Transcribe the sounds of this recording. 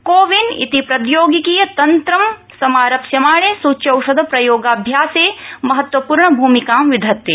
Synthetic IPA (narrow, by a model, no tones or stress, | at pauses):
koːʋinḭt̪ipɾɐd̪joːɡikijɐt̪ɐnt̪ɾɐm | sɐmaːɾɐpsjɐmaːɭeːsuːtʃɐwʃɐd̪ʱɐpɾɐjoːɡaːbʱjaːseːmɐɦɐt̪wɐpuːɾɳɐbʱuːmikaːmʋid̪ʱɐt̪ːe